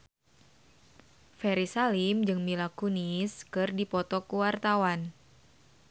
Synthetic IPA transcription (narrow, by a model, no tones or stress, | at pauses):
fɛɾisalimd͡ʒɨŋmilakuniskɨrdipɔt̪ɔkuwart̪awan